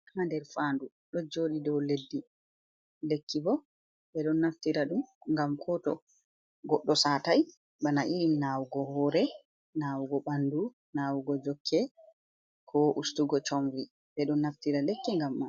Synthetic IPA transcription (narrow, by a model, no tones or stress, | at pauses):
amandɛɾfandu | ɗɔd͡ʒoːɗidɔwledːi | lekːibɔ | ɓɛɗɔnːaftiɾaɗumŋɡamkʰɔtɔ̰ | ɡɔɗːɔsataj | ɓanaʔiɗinawuɡɔhɔːɾɛ | nawuɡɔɓandu | nawuɡɔd͡ʒɔkʰːɛ | kʰɔʔustuɡɔt͡ʃomvi | ɓɛɗɔnːaftiɾalɛkːɛŋɡamːa